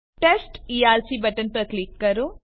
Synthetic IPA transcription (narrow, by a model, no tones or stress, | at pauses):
ʈesʈiːaːlsiːbɐʈənpɐɾkliːkkɐɾoː